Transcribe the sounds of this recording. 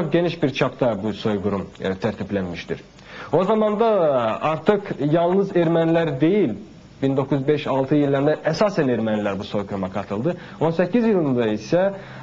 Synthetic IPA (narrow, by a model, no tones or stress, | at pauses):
t͡ʃʰok̚ɟe̞niʃbiɾt͡ʃʰapt̪ʰabuso̞jɡuɾumt̪ʰæɾt̪ʰiplʲænmiʃt̪ḭɾ̥ | o̞zamand̪aaɾt̪ʰɯkjalˠnɯzɛɾmænlʲæɾd̪e̞jilʲ | bind̪o̞kʰuzbɛʃalˠt̪ʰɯjilʲːæɾd̪ɛʔɛsaːsænɛɾmænlʲæɾbuso̞jɡuɾumakʰat̪ʰɯlˠd̪ɯ | o̞nse̞cʰizjɯlˠɯnd̪aisɛ